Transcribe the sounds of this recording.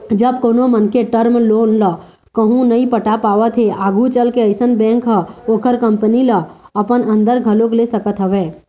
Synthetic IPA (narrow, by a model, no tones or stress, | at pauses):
d͡ʒəb̚koːnomənkeʈəɾmloːnlə | kəɦũnəĩpəʈapaːʋət̪ʰɦeʔaːɡʱũt͡ʃəlkeəɪsənbɛ̃ːŋkɦəoːkəɾkə̃mpəniləəpənə̃nd̪əɾɡʱəloklesəkət̪ɦəʋeː